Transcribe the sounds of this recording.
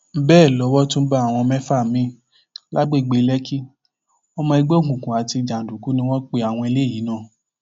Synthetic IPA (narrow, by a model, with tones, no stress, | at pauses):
bɛː˦˨lɔ˨˦wɔ˦tũ˦ba˦˨w̃ɔ̃˧mɛ̃˦fa˦˨mĩ˨˦ | la˦ɡ͡be˦˨ɡ͡be˧lɛ˦ki˦ | ɔ˧mɔ̃˧i˧ɡ͡be˦o˦˨kũ˨kũ˨a˨ti˧d͡ʒa˨n˨du˨ku˨˦nĩ˧˦w̃ɔ̃˦k͡pe˧a˨w̃ɔ̃˧i˧le˦˨ji˨˦nã˦˨